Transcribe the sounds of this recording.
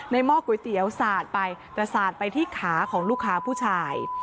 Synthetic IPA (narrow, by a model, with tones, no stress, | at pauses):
na˧jmɔː˥˩kːu˨˩˦jt̪i˨˩˦əwsaː˨˩t̪̚pa˧jt̪ɛː˨˩saː˨˩t̪̚pa˧jt̪ʰiː˥˩kʰaː˩˦kʰɔː˩˦ŋluː˥˩kʰːaː˧pʰuː˥˩t͡ɕʰaː˧j